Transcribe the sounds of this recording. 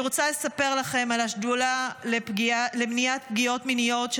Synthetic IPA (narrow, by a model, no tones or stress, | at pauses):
ʁot͡sale̞sape̞ʁlaχe̞malaʃdulalepɡialemniat̚p̚ɡijo̞tminijo̞tʃ